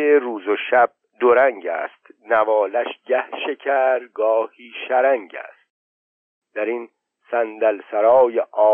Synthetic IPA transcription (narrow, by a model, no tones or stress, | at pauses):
eɾuːzoʃæb̥̚d̪oɾæŋɟæ̰ːst̪nævɒːlæʃɟæhʃe̞cʰæɾɡɒːhiːʃæɾæŋɟæ̰st̪̚ | d̪̥æɾin | sænd̪ælsæɾɒːjeʔɒː